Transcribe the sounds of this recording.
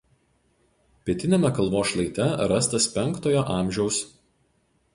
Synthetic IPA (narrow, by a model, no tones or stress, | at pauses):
pʲiɛt̪ʲɪnʲemʲɛkɐlˠˑʋoːʃlˠɐɪt̪ʲɛɾɐst̪ɐspʲɛŋkt̪oːjoːʔɑːˑmʲˑʒʲɛʊs